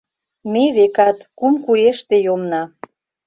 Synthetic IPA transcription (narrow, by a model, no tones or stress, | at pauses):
meβekɑt̪kumkueʃt̪ejomnɑ